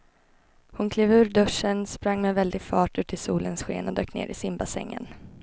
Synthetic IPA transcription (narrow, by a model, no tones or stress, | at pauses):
hʊnkʰleːvʉ̟ːɾɖɵʂənspɾaŋːmɛvɛld̪ɪɡfɑːʈʉ̟ːt̪ʰɪlsuːlənsɧḛːnɔd̪øːknḛːɾʔɪsɪmbasɛ̰ŋːə̰n